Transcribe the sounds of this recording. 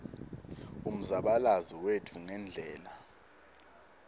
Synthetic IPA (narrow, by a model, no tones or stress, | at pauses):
um̩zaɓalaziwetʰuŋɛnd͡ɮʱɛːla